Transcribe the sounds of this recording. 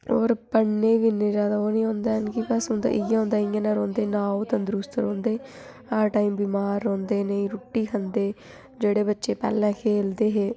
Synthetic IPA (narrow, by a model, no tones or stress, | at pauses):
oːɾpəɳneːʋinẽːd͡ʒaːd̪aːoːnĩːɦõːnd̪aːɦənkɪbəsʊnd̪a̰ːʔɪjãːõːnd̪aːɪjãːnãːɾõːnd̪eːnaːoːt̪ãːd̪ɾust̪ɾõːnd̪eː | aːʈaːiːmbiːmaːɾːɔ̃ːnd̪eːnəĩːɾuːʈːiːkʰənd̪eː | d͡ʒeːɽeːbətːʃeːpɛ̰ːlɛ̃ːkʰeːld̪eːɦeː